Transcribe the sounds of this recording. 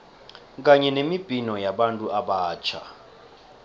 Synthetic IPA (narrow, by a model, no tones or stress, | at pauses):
k̬ʼaɲɛnemib̥ʱinɔjaɓantʼuʔaɓaːt͡ʃʰa̰